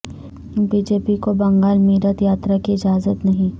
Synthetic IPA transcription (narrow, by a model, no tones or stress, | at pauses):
biːd͡ʒeːpikobɐ̃ŋɡaːlmiːɾət̪jaːt̪ɾakiɪd͡ʒaːzət̪nɐɦĩ